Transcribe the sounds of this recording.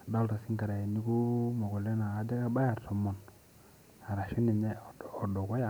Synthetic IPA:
da˦lta˨si˦ŋka˨ɾa˨je˨ni˦ku˦mo˨ɡo˨le˦naː˨de˦ka˦ba˦ja˨ɾto˨mːo˨n | a˨ɾa˨ʃi˦ni˨ɲeː˦˨do˨ko˦ja˨

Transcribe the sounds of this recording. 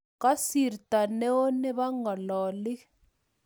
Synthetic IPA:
ka˦si˨rtʼa˨nɛ˦ɔ˦nɛ˦βa˦ŋɡa˨lɔː˨li˦

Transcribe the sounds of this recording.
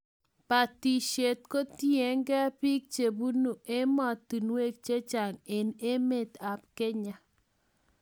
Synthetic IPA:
pa˨ti˨ʃe˨t̪̚ko˦ti˦e˨˦ŋɡɛ˦pi˦k̚t͡ʃe˨bu˦nu˨e˦mɔ˦˨t̪i˨nwe˦k̚t͡ʃe˦t͡ʃa˨ŋe˨ne˦me˦˨t̪a˨p̚kɛ˦ɲa˨

